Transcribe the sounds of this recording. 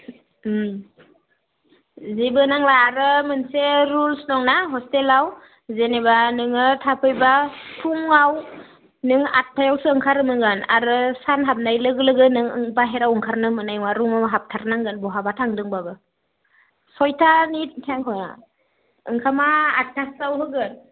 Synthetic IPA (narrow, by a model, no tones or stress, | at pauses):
zibɯnaŋbaːɾɯmɯnseɾulsnɔŋnaɦɔstelaw | zenebanɯŋɯtʰapʰɯjbapʰuŋaw | nɯŋa̰t̚pʰajawsɯɯŋkʰaɾɯmɯŋɡɯna̰ɾɯsanɦap̚najlɯɡɯlɯɡɯnɯŋɯ̰ŋbaɦeɾawɯŋkʰaɾnɯmɯnajŋwaɾumawɦap̚tʰaɾnaŋɡɯnbɔɦabatʰaŋdɯŋbabɯ | sɔjtʰanit̚kʰiaŋkʰɔna̰ | ɯŋkʰamaːt̚tʰasawɦɯɡɯn